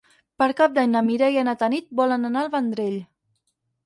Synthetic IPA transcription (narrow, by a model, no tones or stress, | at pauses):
pəɾkap̚d̪aɲnəmiɾɛjənat̪ənit̪̚bɔlənanaəlˠβənd̪ɾeʎ